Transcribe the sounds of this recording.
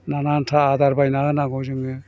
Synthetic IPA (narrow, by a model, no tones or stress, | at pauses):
nanantʰaːd̪aɾbajnaɯnaɡɔzɯŋɯ